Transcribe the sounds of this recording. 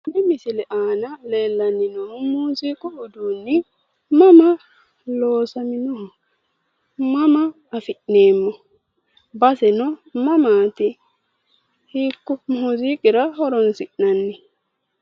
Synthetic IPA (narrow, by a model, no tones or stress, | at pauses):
nɪmɪsɪlɛʔaːnɐle̞ːlːɐnːɪnɔnʊmuːziːkʼʊʊd̪uːnːɪ | mɐmɐ | loːsɐmɪnɔhɔ | mɐmɐː | fɪʔne̞ːmːɔ | bɐsɛnɔmɐmaːt̪ɪ | hiːkːɔmuːziːkʼɪɾɐhɔɾɔnsɪʔnɐnːɪ